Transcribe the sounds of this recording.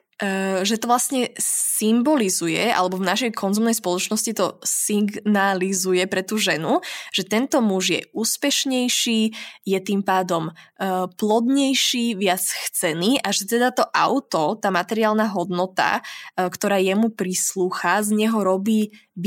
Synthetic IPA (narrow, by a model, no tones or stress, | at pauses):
ʒɛt̪ɔʋlasɲɛsimbɔlizujɛa̰lɛbɔvnaʃɛjkʰɔnzumnɛjspɔlɔt͡ʃnɔscit̪ɔsiɡnalizujɛpɾɛt̪uːʒɛnuʒ̥ɛt̪ɛnt̪ɔmuʒjɛ̰ʔuːspɛʃɲɛjʃiːjɛt̪impaːd̪ɔmːplɔd̪ɲɛjʃiːʋɪat͡sxt͡sɛniːʔaʒɛt̪ɛd̪at̪ɔʔa̰ʊt̪ɔt̪aːmat̪ɛɾiaːlnaɦɔd̪nɔt̪a̰kt̪ɔɾaːjɛmupɾisluːxazɲɛɦɔɾɔbiː